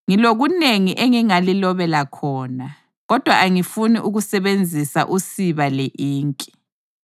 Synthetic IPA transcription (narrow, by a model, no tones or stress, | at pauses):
ŋiloɣuneŋiʔeŋiŋalilɔβɛlakʰɔːna | ɣɔd̥ʱwaʔaŋifuniʔuɣusɛβend͡zʱisa̰ʔusiβaleʔiːŋkʼi̥